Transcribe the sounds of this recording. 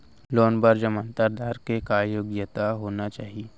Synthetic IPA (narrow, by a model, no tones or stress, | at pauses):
lɔːnbəɾd͡ʒəmə̃nt̪əɾd̪aːɾkekaːjoːɡjət̪aɦoːnat͡ʃaːɦie